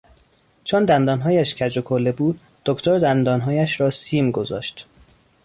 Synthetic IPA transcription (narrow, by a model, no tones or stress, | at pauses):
t͡ʃʰond̪ænd̪ɒːnɦɒːjæʃcʰæd͡ʒokʰolːebuːd̪̥̚ːoct̪ʰoɾd̪ænd̪ɒːnɦɒːjæʃɾɒːsiːmɡozɒ̰ːʃt̪